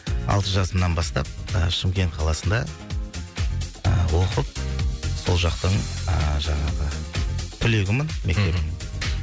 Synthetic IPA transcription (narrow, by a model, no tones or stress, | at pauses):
ɑ̰lˠt̪əʒɑsəmnɑnbɑst̪ɑ̰p̚əʃɪmkʲe̞nt̪̚qʰɑlˠɑsənd̪ɑ | əwo̞qəp̚so̞lˠʒɑqt̪əɴəʒɑɴɑʁət̪ʰʏle̞ɡʲɪmɪnme̞k̚t̪e̞pɪmɪ